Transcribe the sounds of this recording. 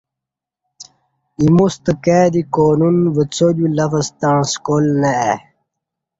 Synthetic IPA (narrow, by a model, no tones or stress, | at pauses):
imust̪əkeːd̪ikoːnunvət͡sodulɐfəst̪aɳ̃skolnɐɛ